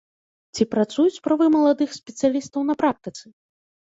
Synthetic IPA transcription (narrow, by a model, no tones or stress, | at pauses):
t͡sʲipɾat̪sujut͡sʲspɾavɨmɐlˠad̪ɨxsʲpʲɛt̪sɨjalʲist̪ɐwnɐpɾak̚t̪ɨt̪sɨ